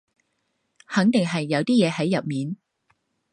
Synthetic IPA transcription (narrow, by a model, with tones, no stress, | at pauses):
hɐ˨˥ŋt̪ɪ˨ŋɦɐ˨jːɐ˨˧wt̪iː˥jɛː˨˧ɦɐ˨˥jːɐ˨p̚miː˨n